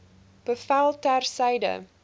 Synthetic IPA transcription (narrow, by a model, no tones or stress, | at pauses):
b̥əfælˠtærsɛjdə̰